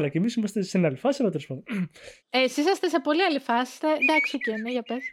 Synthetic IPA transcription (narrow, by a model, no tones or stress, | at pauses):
lɐcemisimɐst̪esenɐlifɐsinɐt̪oɾospoði | esis̬ɐst̪ese̞po̞liɐlifɐsi̥st̪ed̪ɐksoceneʝɐpes